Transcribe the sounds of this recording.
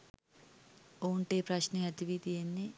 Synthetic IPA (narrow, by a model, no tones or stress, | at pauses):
oːɳʈeːpɾɐɕneɐt̪iʋid̪ijenːi